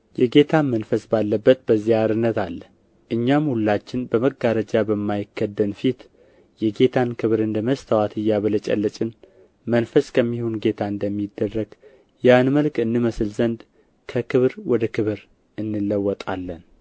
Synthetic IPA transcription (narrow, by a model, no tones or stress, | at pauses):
jɛɡe̞t̪ʰamənfəsbalːəbːət̪̚bəzːiaɾɨnːət̪alː | ʔɨɲːamhulːat͡ʃːɪnbəməɡaɾəd͡ʒabəmːajɪkʰːəd̪ːəmfit̪ | jɛɡe̞t̪ʰankʰɨβɾɨnd̪əməst̪ʰawat̪ʰɨjːaβələt͡ʃʼɛ̰lːət͡ʃʼɪn | mənfəskʰəmːiho̞nɡe̞t̪ʰaɨnd̪əmːid̪ːərːəɡ | janməlkɨnːɨməsɨlzənd̪ | kʰəkʰɨβɾwɔd̪əkʰɨβɨɾ | ɨnːɨlːəwːɔt̪ʼalːən